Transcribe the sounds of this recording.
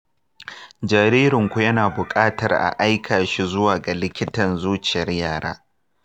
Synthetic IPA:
d͡ʒaː˨ɾiː˦ɾɪ˨ŋkʷu˨˦jɐ˦naː˨bʊ˨kʼaː˦tɐ̰˨rʔa̰˨ʔa˦jkʰaː˨ʃi˦zʊ˦waː˨ɡa˨lɪ˦kʲɪ˦tɐ˨nzuː˦t͡ʃɪ˨jɐ˦rjaː˦˨ɽa̰ː˦

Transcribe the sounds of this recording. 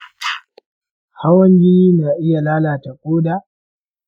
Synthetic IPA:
ha˦wɐ˦ŋɡʲɪ˦niː˦naː˨ʔɪ˦ja˨laː˦laː˨ta˨kʼoː˦daː˨

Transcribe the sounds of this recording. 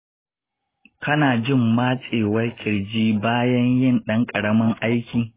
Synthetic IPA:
kɐ˦naː˨d͡ʒɪ˦˨mːaː˦t͡sʼeː˨wɐ˦kʲʼɪ˨ɽd͡ʒiː˦baː˦jɐ˦ɲjɪ˦˨nɗɐ˦ŋkʼɐ˨ɽɐ˦mɐ˦ŋʔa˦jkʲiː˨

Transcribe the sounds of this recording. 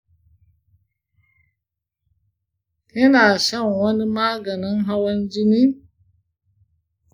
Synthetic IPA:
i˦na˨ʃa˦ŋ˨wa˦ni˦ma˦ɡa˨na˦ŋɦa˦wa˦nd͡ʒi˦ni˦

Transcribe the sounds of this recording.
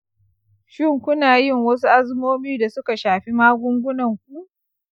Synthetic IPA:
ʃɪ˦ŋkʷʊ˦naː˨jɪ˦˨ŋwɐ˦s̬u˦ʔa˦zmoː˦miː˦da˨sʊ˦ka˨ʃaː˨ɸi˦maː˦ɡʷʊ˦ŋɡʷʊ˦nɐ˨ŋkʷu˦ʔ

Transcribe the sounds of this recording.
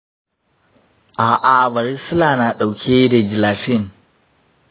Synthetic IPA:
ʔa˨ʔa˨vɐ˨ɾi˦su˦la˨na˨ɗa˨wkʲʰe˦ɾe˨d͡ʒi˨la˨ʃi˦˨n

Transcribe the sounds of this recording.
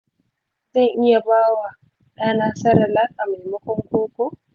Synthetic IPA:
zɐ˦ŋʔɪ˦ja˨baː˦wa˨ | ɗaː˦naː˨sɐ˦ɾa˨laː˦kʼa˨ma˨jmɐ˦kʷɔ˦ŋkʷoː˦kʷo˦

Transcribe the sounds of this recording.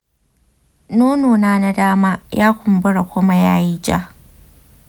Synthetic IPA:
noː˦noː˨naː˦na˦daː˦maː˦jaː˦kʷʊ˨mbʊ˦ɽa˨kʷʊ˦ma˦ja̰ː˦ji˦d͡ʒa̰˦

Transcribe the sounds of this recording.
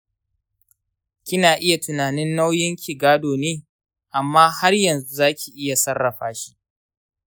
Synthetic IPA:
kʲɪ˦naː˨ʔɪ˦ja˨tʊ˨naː˨nɪ˦nːa˦wjɪ˦ŋkʲi˨ɡaː˦doː˨neː˦ | ʔa˨mːaː˦ha˦rjɐ˨nzu˦zaː˦kʲi˨ʔɪ˦ja˨sɐ˦rːɐ˨ɸaː˦ʃi̥˦ʔ

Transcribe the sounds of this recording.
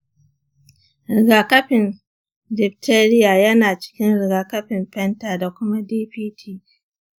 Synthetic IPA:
ɾɪ˨ɡa˨kɐ˦ɸɪ˨n | d͡ʒɪ˨k̚tʰeː˦ɾɪ˦jaː˨jɐ˦naː˨t͡ʃɪ̥˦kʲɪ˦nɾɪ˨ɡaː˨kɐ˦ɸɪ˨mɸɛ˦ntaː˨da˨kʷʊ˦ma˦diː˦ɸiː˦tʰiː˦

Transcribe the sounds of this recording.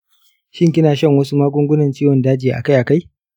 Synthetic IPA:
ʃɪ˦ŋkʲɪ˦naː˨ʃɐ˦ŋwɐ˦su˦maː˦ɡʷʊ˦ŋɡʷʊ˦nɐ˨nt͡ʃiː˦wɔ˨ndaː˦d͡ʒɪː˨ʔa̰˨ka˦jʔa˨ka˦j

